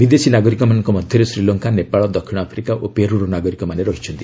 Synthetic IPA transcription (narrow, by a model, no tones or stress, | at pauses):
bid̪esinaɡɔɾikɔmanɔŋkɔmɔd̪ʱjɔɾesɾilɔŋkanepaɭɔd̪ɔkʰːiɽ̃ɔapʰɾikaʔopeɾuɾɔnaɡɔɾikɔmaneɾɔɦit͡ʃʰɔnt̪i